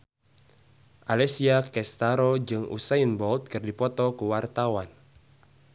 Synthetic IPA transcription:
ʔalɛsiakɛst̪aɾod͡ʒɨŋṵsajənbɔlt̪̚kɨrdipɔt̪ɔkuwart̪awan

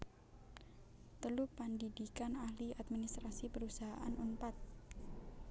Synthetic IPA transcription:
t̪əlupandidikanahliat̪̚minist̪ɾasipəɾusaɦaʔa̰nʔumpat̪̚

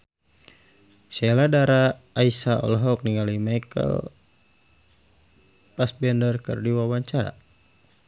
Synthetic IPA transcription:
ʃɛladaɾaːisaɔ̰lɦɔk̚niŋɡalimajkə̰l | pasbɛndərkə̰rdiwawaɲt͡ʃaɾa̰

